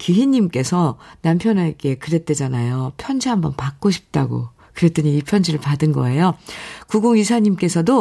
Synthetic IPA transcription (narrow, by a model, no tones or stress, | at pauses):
kiɦiɲːimk͈e̞sʰʌnampʰjʌnaike̞kɯɾe̞t͈e̞d͡ʑanajopʰjʌnd͡ʑiɦambʌnpak̚k͈oɕʰi̥p̚t͈aɡo̰ | kɯɾe̞t͈ɯɲiipʰjʌnd͡ʑiɾɯɭpadɯnɡʌ̰e̞jokuɡoŋisʰaɲimk͈e̞sʰʌdo